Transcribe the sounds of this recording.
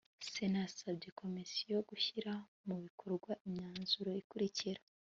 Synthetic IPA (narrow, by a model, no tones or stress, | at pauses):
senasabɟe̞kʰo̞misijo̞ɡuçiɾa | muβikʰoɾɡwaʔiɲɲaːnzuɾo̞ikuɾiciɾa